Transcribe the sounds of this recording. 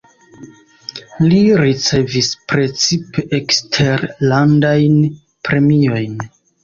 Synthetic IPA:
liɾit͡se̞vispɾe̞t͡sipeʔekstʰe̞ɾlandajn | pɾe̞mio̞jn

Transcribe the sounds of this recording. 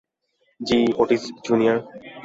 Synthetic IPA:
d͡ʒiːoʈisd͡ʒunija

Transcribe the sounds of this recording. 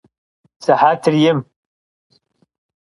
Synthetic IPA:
saħatʰɨrjɪm

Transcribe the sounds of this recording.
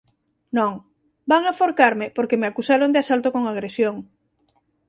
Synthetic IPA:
nõŋ | baŋafoɾkaɾmɪpoɾkemeakusaɾond̪easalt̪okoŋaɣ̞ɾesjoŋ

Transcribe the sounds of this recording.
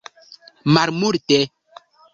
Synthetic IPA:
maɾmuɾtɛ

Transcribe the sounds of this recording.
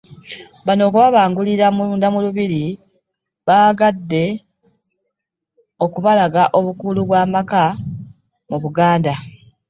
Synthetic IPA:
βano̞ːkuβaβaːŋɡuliɾamuluːndamuluβiɾi | βaɡadːe̞ | o̞kuβalaɡaʔo̞βukuluβwaːmaka | muβuɡaːnda

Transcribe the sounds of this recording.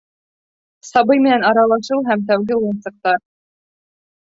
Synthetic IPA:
sɑbɤjmɘ̆nænɑɾɑlˠɑʃɤwˠɦæmt̪̬æwɡɘujɤ̆nsɤ̆q̚t̪ɑɾ

